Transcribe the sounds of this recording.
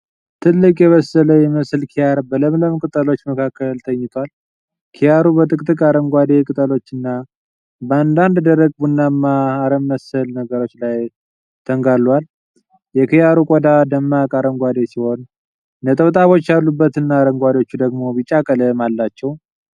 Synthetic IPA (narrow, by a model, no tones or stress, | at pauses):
t̪ʰɨlːɨkʼjɛβəsələjɛməslkʰijaɾbələmləmkʼɨt̪ʼəlo̞t͡ʃːməkʰakːəlt̪ʰəɲːɪt̪ʰwal | kʰijaɾubət̪ʼɨkʼt̪ʼɨkʼaɾəŋɡʷad̪e̞kʼɨt̪ʼəlo̞t͡ʃːɨnːa | bəand̪and̪d̪əɾəɡ̚bunːamːaːɾəmːəsəlnəɡəɾo̞t͡ʃːlaj | t̪ʰəŋɡalːwal | jɛkʰijaɾukʼɔd̪ad̪əmːakʼaɾəŋɡʷad̪e̞siho̞n | nət̪ʼəβt̪ʼaβo̞t͡ʃːalːubːət̪ɨnːaːɾəŋɡʷad̪o̞t͡ʃːud̪əɡmo̞bit͡ʃʼːakʼələmalːat͡ʃːɛw